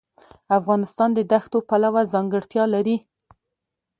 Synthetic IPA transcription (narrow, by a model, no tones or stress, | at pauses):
afɣɑnɪst̪ɑnd̪əd̪axt̪opalawazɑŋɡəɽt̪jɑlaɾi